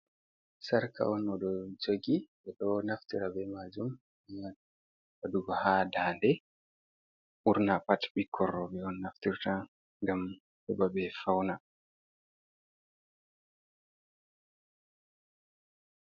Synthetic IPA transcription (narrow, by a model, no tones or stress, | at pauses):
saɾka̰ɔnɔɗɔd͡ʒoɡibɛɗɔnaftiɾabɛmad͡ʒum | ian | waduɡɔhadaːndɛ | ʔuɾnapatɓikʰɔrːɔbɛɔnːaftiɾta | ŋɡam | ɗɛbabɛfawna